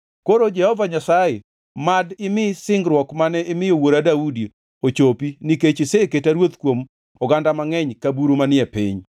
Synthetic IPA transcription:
koɾod͡ʒɛhɔvaɲasaje | madɪmɪsɪŋɡɾwɔkmanɛɪmɪjowoɾadaudi | ot͡ʃopiniket͡ʃɪseketaɾwot̪kwom | ɔɡandamaŋɛɲkabuɾomanɪɛpḭɲ

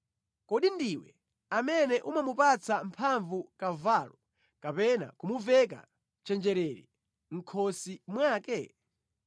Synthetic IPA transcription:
kɔɗindiwɛ | amɛnɛʔumamupat͡sampʰaɱvukavaːlɔ | kapɛna̰kumuvɛk̬a̰ | t͡ʃɛnd͡ʒɛɾɛɾḭ | ŋ̩kʰɔsimwaːkɛ

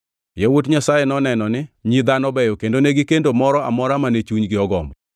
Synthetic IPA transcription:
jewot̬ɲasajenɔnɛnɔnɪɲid̪anɔbɛjɔkendoneɡɪkendomɔɾɔa̰mɔɾamanet͡ʃuɲɡɪɔɡɔmbɔ

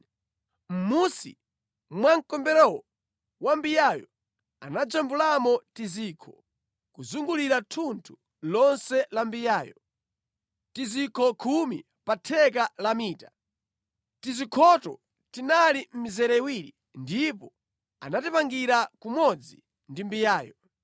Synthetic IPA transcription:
m̩musḭ | mwaŋkɔmbɛɾɔwɔ | wambijajɔ | a̰nad͡ʒambulamɔtiziːkʰɔ | kuzuŋɡuliɾatʰuntʰu̥ | lɔnsɛlambijaːjɔ̰ | tizikʰɔkʰumi | patʰɛk̬alamiːta | tizikʰɔtɔ̰ | tinalim̩mizɛɾɛiwiɾi | ndipɔ | a̰natipaŋɡiɾakumɔd͡zi | ndimbijaːjɔ

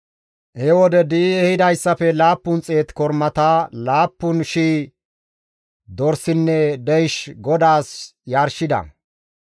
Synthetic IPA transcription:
ʔhɛwɔd̪ɛd̪iːɛhɪd̪ɐjsːɐfɛlaːpːʊnt͡sʼe̞ːt̪kɔɾmɐt̪alaːpːʊnʃiː | d̪ɔɾsɪnːɛd̪ɛjʃɡɔd̪aːsjaːɾʃɪd̪ɐ̰

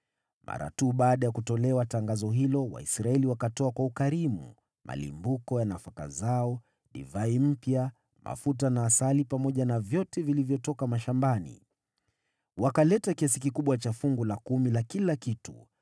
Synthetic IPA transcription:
mʔa̰ɾa̰tuːɓaːɗajakutɔlɛwataŋɡazɔɦilɔwa̰isɾaɛliwakatɔakwaukaɾimṵ | mʔa̰lḭmbukɔjanafaka̰zaɔ | ɗḭvaim̩pja | mʔa̰fut̬anaːsalipamɔʄanavjɔtɛvilivjɔtɔkamaʃambanḭ | wakalɛtakiasikikuɓwat͡ʃafuŋɡulakumilakilakitṵ

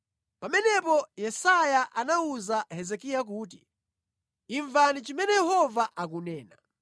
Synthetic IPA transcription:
pamɛnɛpɔjɛsajaʔanauzahɛzɛkijak̬uːt̬ḭ | iɱvanit͡ʃimɛnɛjɛhɔvaʔak̬unɛːna

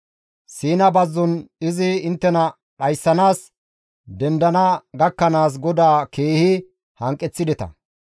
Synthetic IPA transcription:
siːnɐbɐzːɔnɪzɪɪnt̪ːɛnɐ | ɗɐjsːɐnaːs | d̪ɛnd̪ɐnɐɡɐkːɐnaːs̬ɡɔd̪aːkʰeːhɪ | hɐŋkʼːɛt͡sːɪd̪ɛt̪ɐ̰

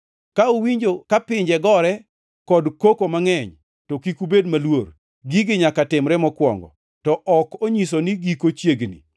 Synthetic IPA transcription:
kaowiɲd͡ʒokapɪɲd͡ʒɛɡɔɾɛ | kɔdkokomaŋɛɲ | tɔkikubedmalwor | ɡiɡɪɲakatɪmɾɛmɔkwɔ̰ŋɡɔ̰ | tɔʔɔkoɲisoniɡikot͡ʃjeɡnḭ

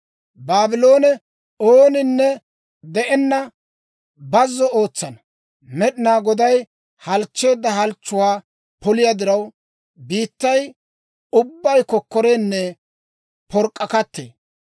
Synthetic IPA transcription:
baːbɪlo̞ːnɛ | oːnɪnːɛ | d̪ɛʔɛnːɐ | bɐzːɔo̞ːt͡sːɐnɐ | mɛɗɪnaːɡɔd̪ɐj | hɐlt͡ʃːe̞ːd̪ːɐɦɐlt͡ʃːʊwaː | pɔlɪjɐd̪ɪɾɐw | biːt̪ːɐj | ʊbːɐjkɔkːɔɾeːnːɛ | pɔɾkʼːɐkɐt̪ːḛː

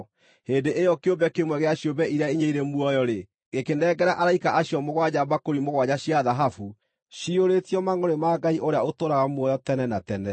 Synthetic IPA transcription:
heːndeʔejɔkjobɛkemwɛɣeaɕjobɛʔiɾeaeɲeiɾemwɔjɔɾe | ɣekenɛːɡɛɾaʔaɾaikaʔaɕjɔmoɣwad͡ʑabakoɾimoɣwad͡ʑaɕiaðaɦafu | ɕioɾetiɔmaŋoɾemaːɡaiʔoɾeaotoɾaɣamuɔjɔtɛnɛnatɛnɛ

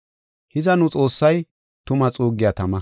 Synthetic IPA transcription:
hɪzɐnʊt͡sʼo̞ːsːɐj | t̪ʊmɐt͡sʼuːɡːɪjat̪ɐmɐ

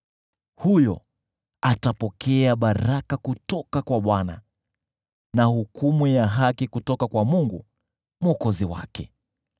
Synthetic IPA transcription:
hujɔ̰ | atapɔkʰɛaɓaɾakakutɔkakwaɓwana̰ | nahukumujaɦakikutɔkakwamuŋɡṵ | mɔkɔziwa̰kɛ

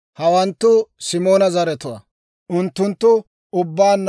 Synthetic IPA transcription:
hɐwɐnt̪ːʊsɪmo̞ːnɐzɐɾɛt̪ʊwɐ̰ | ʔʊnt̪ːʊnt̪ːʊ | ʊbːaːnː

